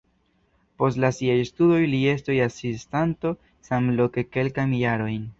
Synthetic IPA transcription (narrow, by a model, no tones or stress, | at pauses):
po̞stlasiajstudo̞jlie̞stojasistanto̞ | samlo̞ke̞ke̞lkamjaɾo̞jn